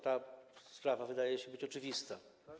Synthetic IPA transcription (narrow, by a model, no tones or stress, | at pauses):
t̪aspɾavavɘd̪ajɛɕɛbɘt͡ɕɔt͡ʂɘvʲist̪a